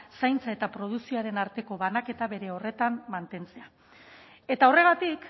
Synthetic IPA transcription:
sajnt͡sae̞t̪apɾo̞ð̞uksioaɾe̞naɾt̪e̞ko̞βanake̞t̪aβe̞ɾe̞o̞re̞t̪amːant̪e̞nt͡se̞a | e̞t̪ao̞re̞ɣ̞at̪ik

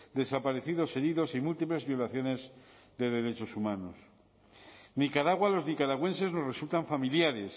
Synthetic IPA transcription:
d̪e̞sapaɾe̞θiðo̞se̞ɾiðo̞simult̪iple̞zβjo̞laθjo̞ne̞z | ðe̞ð̞e̞ɾe̞t͡ʃo̞sumãnos | nikaɾaɣwalo̞znikaɾaɣwe̞nse̞zno̞sre̞sult̪aɱfamiljaɾe̞s

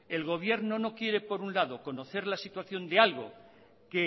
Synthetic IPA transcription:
e̞lɣo̞β̞je̞ɾno̞no̞kje̞ɾe̞po̞ɾunlaðo̞ko̞no̞θe̞ɾlasit̪waθjo̞nd̪ealɣ̞o̞̰ | ke

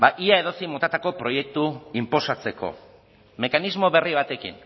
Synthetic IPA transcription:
baʔiae̞ðo̞simo̞t̪at̪ako̞pɾo̞je̞k̚t̪uimpo̞sat͡se̞ko̞̰ | me̞kanizmo̞βe̞riβ̞at̪e̞kḭn

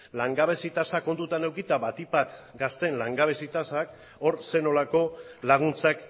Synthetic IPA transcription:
laŋɡaβ̞e̞sit̪asako̞nd̪ut̪ane̞wkit̪aβat̪ipat̪ɡast̪e̞nlaŋɡaβ̞e̞sit̪asak | o̞ɾse̞no̞lako̞laɣ̞unt͡sak

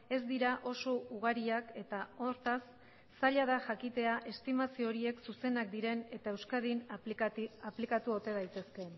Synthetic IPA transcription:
e̞zd̪iɾaʔo̞so̞uɣ̞aɾiake̞t̪ao̞ɾt̪asː | aʎað̞aʝakit̪e̞aʔe̞st̪imasiooɾie̞ksuse̞nak̚d̪iɾe̞ne̞t̪ae̞wskaðin | aplikat̪uo̞t̪e̞ð̞ajt̪e̞ske̞

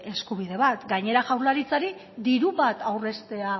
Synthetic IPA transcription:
e̞skuβ̞iðe̞βat̪ɡaɲe̞ɾaʝawɾlaɾit͡saɾi | d̪iɾuβat̪awre̞st̪e̞a

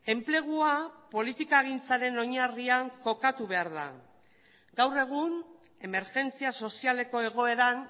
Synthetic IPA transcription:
e̞mple̞ɣ̞uapo̞lit̪ikaɣ̞int͡saɾe̞no̞ɲariaŋko̞kat̪uβe̞aɾða̰ | ɡ̥awre̞ɣ̞un | e̞me̞ɾʝe̞nt͡siaso̞siale̞ko̞e̞ɣ̞o̞e̞ɾan

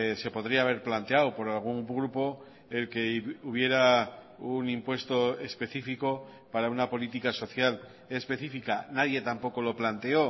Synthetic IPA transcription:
se̞po̞ð̞ɾiaːβe̞ɾplant̪e̞awpo̞ɾalɣ̞uŋɡɾupo̞ | e̞lke̞uβ̞je̞ɾa | unĩmpwe̞st̪o̞e̞spe̞θifiko̞ | paɾaunapo̞lit̪ikaso̞θjal | e̞spe̞θifikanaðje̞t̪ampo̞ko̞lo̞plant̪e̞o̞

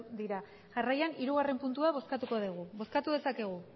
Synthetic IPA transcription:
d̪iɾa | ʝarajaniɾuɣ̞are̞mpunt̪uaβ̞o̞skat̪uko̞ðeɣ̞uβo̞skat̪uðe̞sake̞ɣ̞u

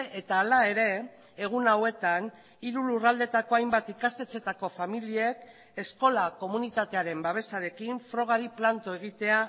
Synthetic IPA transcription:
et̪aːlae̞ɾe̞ | eɣ̞unawe̞t̪an | iɾulurald̪e̞t̪ako̞ajmbat̪ikast̪e̞t͡se̞t̪ako̞familie̞k | e̞sko̞lako̞munit̪at̪e̞aɾe̞mbaβ̞e̞saɾe̞kiɱfɾo̞ɣ̞aɾiplant̪o̞e̞ɣ̞it̪e̞a

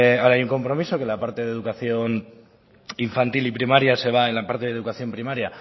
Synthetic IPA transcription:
aɾaajuŋko̞mpɾo̞miso̞ke̞lapaɾt̪e̞ðe̞ðukaθjo̞n | iɱfant̪ilipɾimaɾjase̞β̞aenlapaɾt̪e̞ðeukaθjo̞mpɾimaɾja

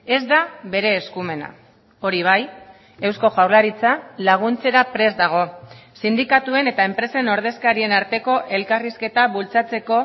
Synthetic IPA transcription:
e̞zd̪aβe̞ɾe̞ːskume̞na̰ | o̞ɾiβ̞aj | e̞wsko̞ʝawɾlaɾit͡salaɣ̞unt͡se̞ɾapɾe̞zd̪aɣ̞o̞sind̪ikat̪ue̞ne̞t̪ae̞mpɾe̞se̞no̞ɾð̞e̞skaɾie̞naɾt̪e̞ko̞ʔe̞lkariske̞t̪aβult͡sat͡se̞ko̞

